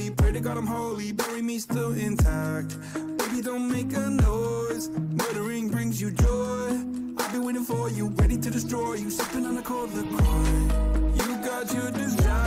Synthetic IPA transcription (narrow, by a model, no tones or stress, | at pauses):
ipʰɹ̥ɛɾiɡɑɾãɪmhoʊlˠibɛɹĩmistɪlˠɪ̃ntʰæk̚t̚ | meɪbidõʊ̃ntmeɪkɨnɔz̥mʌɾə˞ĩŋbɹɪ̃ŋzjɨd͡ʒɔɪ | aɪlˠbĩweɪɾɪ̃ŋfə˞jɨɹɛɾiɾɨdɨstɹ̥ɔɪjɨsʌtɪ̃ŋə̃nəkʰɔɹʌðɨkʰɹɔɪjɨɡɑt͡ʃɨdɪsɹa